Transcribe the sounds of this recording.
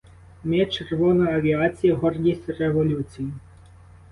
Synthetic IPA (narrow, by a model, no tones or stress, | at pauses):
mɛt͡ʃerʋɔnɔjɐʋʲiat͡sʲijiɦɔrɡʲisʲtʲreʋɔlʲut͡sʲiji